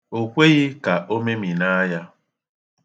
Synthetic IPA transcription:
o˨kʷe˦ɣɪ˦ka˨ʔo˦me˦mi˨na˦ja˦

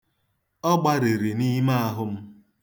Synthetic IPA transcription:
ɔ˦ɡ͡ba˦ɾe˨ɾe˨ni˦ma˦a˦ɦʊ˦m̩˦

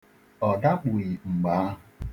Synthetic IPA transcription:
ɔ˨da˦k͡pu˨i˨ŋ͡m̩˨ɡ͡ba˨˦˨

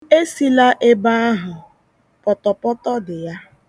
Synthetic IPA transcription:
e˦si˨la˦ʔe˦ba˦a˦ɦʊ˨ | pɔ˨tɔ˨pɔ˦tɔ˦dɪ˨ja˦

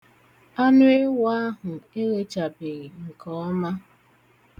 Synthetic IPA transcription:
a˦nʊ˦e˦wa˦ɦʊ˨e˦ɣe˦t͡ʃa˨be˨ɣi˨ŋ̩˨kɔ˨ɔ˦ma˦

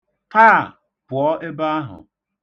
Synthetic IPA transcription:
kaː˦˨ | pʊ˨ɔ˦ʔɪ˦ba˦a˦ɦʊ̰˨

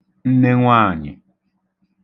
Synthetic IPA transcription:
n̩˦ne˦ŋʷaː˦˨ɲɪ̰˨

